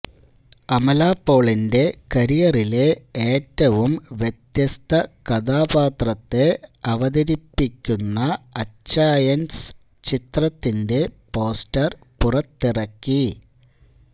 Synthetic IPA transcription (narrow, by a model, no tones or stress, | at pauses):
ɐmɐlaːpːo̞ːɭinde̞kɐɾijɐrile̞eːtːɐʋumʋjet̪jɐst̪ʰɐkɐðaːbaːt̪rɐt̪ːe̞ɐʋɐðɐɾipːikʲːunːɐɐt͡ɕːaːjɐns | t͡ɕit̪rɐt̪ːinde̞po̞ːstɐr | purɐt̪ːirɐkːi